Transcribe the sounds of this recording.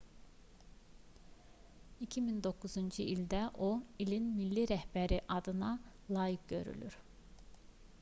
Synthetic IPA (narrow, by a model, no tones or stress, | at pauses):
icʰimind̪o̞kʰuzund͡ʒuilʲd̪æʔoilʲinmilʲːiɾæhbæɾiʔɑd̪ɯnɑlˠɑːjik̚ɟø̞̰ɾy̰lʲy̰ɾ̥